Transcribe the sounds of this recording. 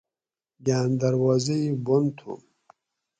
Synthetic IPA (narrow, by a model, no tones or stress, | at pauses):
ɡaːnd̪aɾwɔːzeibont̪ʰṵm